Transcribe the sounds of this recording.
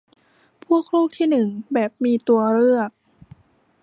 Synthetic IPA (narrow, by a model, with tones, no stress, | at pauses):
pʰu˥˩ək̚ʰːɾuː˥˩k̚t̪ʰiː˥˩nɯ˨˩ŋbɛː˨˩p̚miː˧t̪u˧ɐɾɯ˥˩ək̚